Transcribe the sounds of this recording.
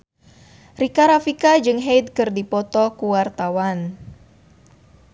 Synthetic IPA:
rikaɾafikad͡ʒɨŋɦejd̪̚kɨrdipɔt̪ɔkuwart̪awan

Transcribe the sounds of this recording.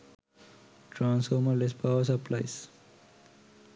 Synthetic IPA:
ʈɾãːnsfɔːɾməɾlespaʊəɾsəplaɪs

